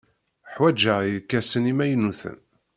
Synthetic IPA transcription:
ħwæd͡ʒəjəkːæsənimæjənːuθə̰n

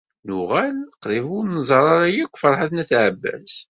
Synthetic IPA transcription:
nʊʁælqɾivʊɾnəzˤɑɾˤɑɾˤɑjikʷːfəɾˤħaθnæθʕəbːæ̰z

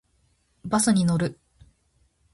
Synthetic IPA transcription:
basɨɲ̟ino̞ɾɯ̟

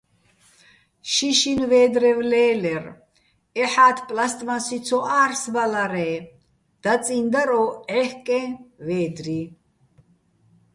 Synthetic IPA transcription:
ʃiʃinvɛːd̪ɾɛvlɛːlɛɾ | ɛħaːt̪ʰpʼlast̪ʼmasit͡sʰɔʔaːɾsbalaɾɛː | d̪̥at͡sʼind̪aɾɔɛhkʼɛ̃vɛːd̪ɾi

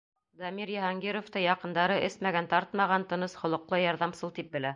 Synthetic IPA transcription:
d̪ɑmiɾjɑhɑŋɡʲeɾŏft̪ɤjɑqɤ̆nd̪ɑɾɤʔɘsmæɡænt̪ɑɾt̪mɑʁɑnt̪ɤ̆nɤsχŏlˠŏqlˠɤjɑɾðɑmsɤlˠt̪ip̚bɘ̆læ

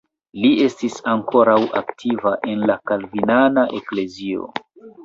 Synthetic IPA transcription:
lie̞stisaŋko̞ɾawʔa̰ktʰivaʔe̞nlakalvinanaʔekle̞zio̞̰

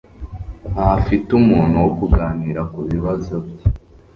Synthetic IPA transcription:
hafitumuːnhuwokuɡaːniːɾakuβiβazobji

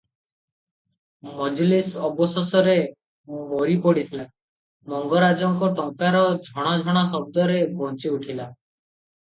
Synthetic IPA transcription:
mɔd͡ʒɔlisɔbɔsɔsɔɾe | moɾipɔɽit̪ʰila | mɔŋɡɔɾad͡ʒɔŋkɔʈɔŋkaɾɔd͡ʒʱɔɽ̃ɔd͡ʒʱɔɽ̃ɔsɔb̚d̪ɔɾebɔnt͡ʃiuʈʰila

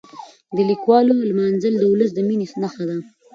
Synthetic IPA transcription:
d̪əlikwɑlolmɑnzəld̪əwʊləs̬d̪əminesnaxad̪a

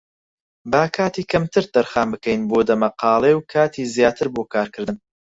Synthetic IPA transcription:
baːkʰaːt̪iːkʰɐmt̪ʰɨɾt̪ɐɾxaːmbɨkɛjnboːd̪ɐmɐqɑːlˠewkʰaːt̪ʰiːzjaːt̪ʰɨɾboːkʰaːɾkʰɨɾd̪ɨn

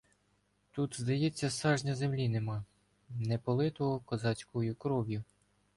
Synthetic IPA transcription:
t̪ut̪zd̪ɐjɛt͡sʲːɐsɑʒnʲɐzemlʲinemɑ | nɛpɔlˠɪt̪ɔɦɔkɔzɑt͡sʲkɔjʊkɾɔwjʊ

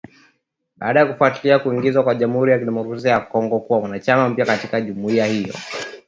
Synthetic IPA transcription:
ɓaaɗajakufuatiliakuiŋɡizwakwaʄam̩huɾijakiɗɛmɔkɾas̬iajakɔŋɡɔkuwawanat͡ʃamam̩pjakatikaʄumuiahijɔ̰

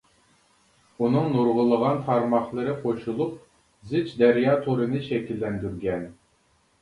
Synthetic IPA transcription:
unɨŋnuɾʁəlˠəʁɑnt̪ʰɑɾmɑχlˠɨɾɨqʰoʃulˠup̚ | zɪt͡ʃd̪ɛɾjɑt̪ʰoɾɨnɨʃɛkʲʰilːɛnd̪yɾɡʲɛn

